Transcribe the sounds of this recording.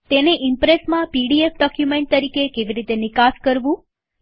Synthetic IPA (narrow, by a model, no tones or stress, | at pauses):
t̪eneʔimpɾesmãpiɖiefɖɔkjumeɳʈ̚t̪əɾikekeʋiɾit̪enɪkaskəɾʋũ